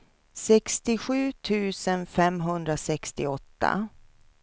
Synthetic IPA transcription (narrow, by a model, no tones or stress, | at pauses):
sɛkst̪ɪɧʉ̟ːt̪ʰʉ̟ːsənfɛmɦɵnd̪ɾasɛkst̪ɪɔt̪ːa̰